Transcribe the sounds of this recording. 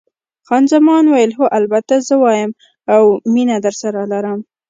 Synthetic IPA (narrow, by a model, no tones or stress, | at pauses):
xɑnzamɑnwajəlɦoʔalbat̪azəwɑjəm | awminad̪əɾsaɾalaɾəm